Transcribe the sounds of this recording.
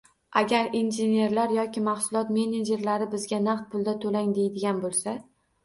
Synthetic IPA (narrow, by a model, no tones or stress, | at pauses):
ʔaɡʲaɾinʒene̞ɾlaɾjɒkʲɪmaχsʊlˠɒt̪me̞ned͡ʒe̞ɾlaɾɪbɪzɡʲanaqt̪̚pʰʊlˠd̪at̪ʰolaŋd̪e̞jd̪ɪɡʲanbolˠsa